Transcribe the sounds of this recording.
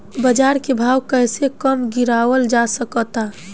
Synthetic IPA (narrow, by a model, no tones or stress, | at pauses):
bəd͡ʒaːɾkebʱawkəɦsekəmɡiɾawəld͡ʒasəkɔt̪a